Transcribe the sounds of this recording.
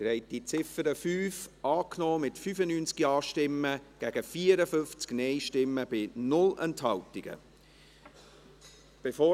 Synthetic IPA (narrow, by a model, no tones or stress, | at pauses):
ɾɛɪt̚dit͡sɪfəɾəfyːfʔɑːknɔːmɪtfyːfənyːnt͡skiɑːʃtɪmːəɡ̥æɡ̥əfiːəɾəfʏnft͡sknɛɪʃtɪmːəb̥ɪnʊlɛnthɑltɪɡ̥ə̰ | b̥efoː